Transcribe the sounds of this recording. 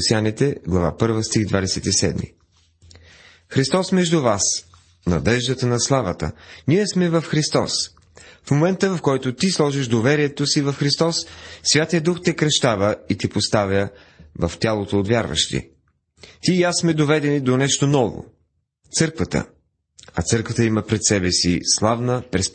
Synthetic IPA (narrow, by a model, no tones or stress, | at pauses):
sianit̪ɛɡlˠɐva̰pɤɾvəst̪iɣd̪vad̪ɛsɛt̪isɛ̰d̪mḭ | xɾist̪ɔsmɛʒd̪uvas | nɐ̰d̪ɛʒd̪ət̪ənɐslˠavət̪ə̰niɛsmɛvəfxɾist̪ɔ̰s | fmomɛnt̪əvɐfkɔjt̪ot̪islˠɔʒiʃd̪ovɛɾiɛt̪osivɐfxɾist̪ɔsːvʲjat̪ijəd̪uxt̪ɛkɾɛʃt̪avəit̪ɛpost̪avjə | vəft̪ʲjalˠot̪oːt̪vʲjaɾvə̰ʃt̪ḭ | t̪iːasmɛd̪ovɛd̪ɛnid̪onɛʃt̪onɔvo̰ | t̪sɤɾkvət̪ə̰ | ɐt̪sɤɾkvət̪əiməpɾɛt̪sɛbɛsḭslˠavnəpɾɛs